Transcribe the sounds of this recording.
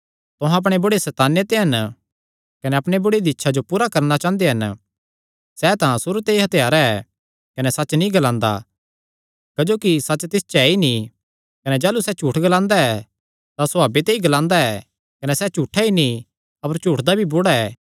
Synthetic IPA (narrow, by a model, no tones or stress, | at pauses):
t̪ʊɦãɐp̬ɽ̃ebʊɽesɛːt̪aːnet̪eɦɐn | kɐnɛɐpɽ̃ebʊɽed̪iɪtːʃʰad͡ʒopuːɾakɐɾnat͡ʃãːnd̪eɦɐn | sɛːt̪ãsʊɾut̪eiɦɐt̪ʰjaːɾaɛ | kɐnɛsɐːt͡ʃnĩɡɐlãːnd̪a̰ | kɐd͡ʒoːkisɐtːt͡ʃːt̪ɪst͡ʃaːinĩ | kɐnɛd͡ʒaːlusɛt͡ʃuːʈʰɡɐlãːnd̪aɛ | t̪asʊaːbet̪eiɡɐlãːnd̪aɛ | kɐnɛsɛt͡ʃuːʈʰainĩ | ɐpəɾt͡ʃuːʈʰd̪abʱibʊɽaɛː